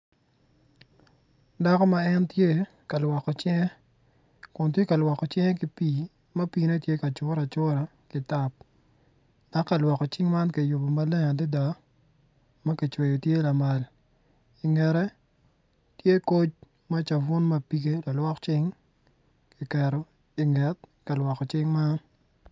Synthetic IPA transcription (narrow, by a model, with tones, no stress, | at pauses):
da˦kɔ˦ma˦ɛ˦ntje˦ | ka˨lwɔ˨kːɔ˨t͡ʃɪ˦ŋɛ˦ | kʊ˨nt̬je˦ka˨lwɔ˨kːɔ˨t͡ʃɪ˦ŋe˦k̬i˨pi˨ | ma˦pi˨ne˦tje˦ka˨t͡ʃʊ˦ɾa˨t͡ʃʊ˦ɾa˨ | kɪ˨ta˦p̚ | d̥a˦kːa˨lwɔ˨kɔ˨t͡ʃɪ˦ŋma˦nki˨jʊ˨bo˨ma˦lɛ˦ŋa˨di˦da˨ | ma˦ki˨t͡ʃwe˨jo˨tje˦la˨ma˨l | ɪ˨ŋɛ˨ɾɛ˦ | tje˦ko˦t͡ʃ | ma˦t͡ʃa˨vʊ˦nma˦pi˦ɡe˦la˨lwɔ˦kt͡ʃɪ˦ŋ | kɪ˨kɛ˨ɾɔ˨ | ɪ˨ŋɛ˨˦t̪̚ka˨lwɔ˨kɔ˨t͡ʃɪ˦ŋma˦n